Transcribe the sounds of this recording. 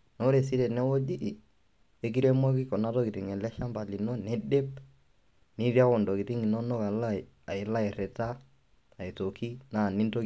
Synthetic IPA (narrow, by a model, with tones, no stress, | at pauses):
no˦ɾe˨si˦ɾɛ˨nɛ˦wo˦d͡ʒi˦ | e˦k̬i˦ɾe˦mo˦ki˦kɔ˨na˦tɔ˦ki˨ti˨ŋɛ˨lɛ˦ʃa˦mba˨li˨no˦nɛ˦de˦p | ni˦ɾja˦kɔ˨ndɔ˨ki˨ti˦ŋi˨nɔ˦nɔ˦ka˨la˦˨ | a˨ɪ˨la˦ɪ˨rɛ˨ta˦ | a˨i˨to˨ki˦naː˦˨ni˦nto˦